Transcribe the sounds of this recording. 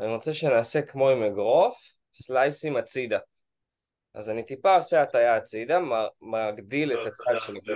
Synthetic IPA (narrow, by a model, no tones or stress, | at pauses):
aniʁo̞t͡seʃenaːse̞kmo̞imeɡʁo̞f | slajsimat͡sid̪a | ʔa̰zanit̪ipaoseat̪ajaːt͡sid̪ammaɡd̪ilet̪at͡salʃenik